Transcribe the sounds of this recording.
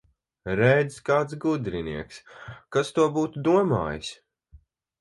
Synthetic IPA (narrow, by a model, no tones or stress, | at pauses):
ɾɛjd̪zskaːt̪sɡud̪ɾiniɛkskast̪uɔbuːt̪ud̪uɔma̰ːjis